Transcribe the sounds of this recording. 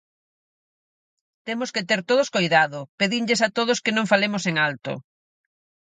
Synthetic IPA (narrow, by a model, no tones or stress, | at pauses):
t̪emʊsket̪eɾt̪oð̞ʊskojðaðʊpeðiŋʎes̬at̪oðʊskenõŋfalemʊseŋalt̪ʊ̰